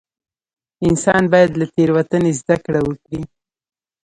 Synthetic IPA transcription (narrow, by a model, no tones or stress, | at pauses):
ɪnsɑnbɑjad̪lat̪eɾwat̪ənezd̪akɽawəkɽi